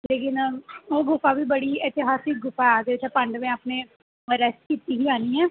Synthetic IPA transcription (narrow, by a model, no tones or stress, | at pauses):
leːkɪnoːɡʊfabiːbəɽiːɛt̪ɪɦaːsik̚ɡʊfad̪et͡ʃʰapə̃ɳɖmẽaːpneː | ɾɛsʈ̚kiːt̪iːɡiaːniːɦɛː